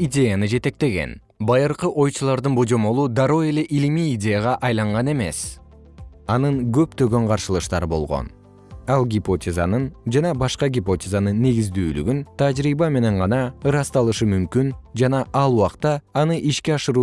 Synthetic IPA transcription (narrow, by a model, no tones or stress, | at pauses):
idʲe̞janɯd͡ʒe̞t̪e̞k̚t̪e̞ɡe̞̰n | bɑjɯɾqɯʔo̞jt͡ʃulˠɑɾd̪ɯnbo̞d͡ʒo̞mo̞lˠud̪ɑɾoe̞le̞ʔilimiːdʲe̞jaʁɑʔɑjlˠɑɴʁɑne̞me̞̰s | ɑnɯŋɡø̞p̚t̪ø̞ɡø̞ɴqʰɑɾʃɯlˠɯʃt̪ɑ̰ɾɯbo̞̰lˠʁo̰n | ɑlˠɡʲipo̞tʲeza̰nɯnd͡ʒɑnɑbɑʃqɑɡʲipotʲezanɯnːe̞ɡizd̪yːly̰ɡynt̪ʰad͡ʒɾiːbɑme̞ne̞ɴʁɑnɑɯɾɑst̪ɑlˠɯʃɯmymkynd͡ʒɑnɑʔɑlˠuwɑqt̪ɑːnɯʔiʃkʲeɑʃɯɾuː